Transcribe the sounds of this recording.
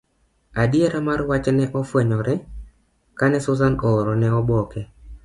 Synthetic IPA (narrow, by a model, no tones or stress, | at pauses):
adjeɾamarwat͡ʃnɛʔɔfwɛɲɔɾɛ | kanɛsʊzanoːɾɔnɛɔbɔkɛ